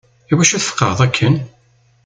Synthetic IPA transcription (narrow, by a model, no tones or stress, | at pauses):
iwæʃæθfə̥qːɑ̰ðˤækʰːən